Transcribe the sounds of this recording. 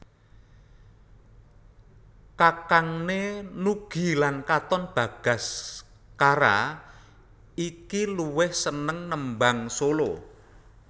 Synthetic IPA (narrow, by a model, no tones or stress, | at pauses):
kakaŋnenuɡ̥i̤lankat̪ɔnb̥a̤ɡ̥a̤s | kaɾa̰ | ikiluwɪhsənəŋnəmbaŋsolo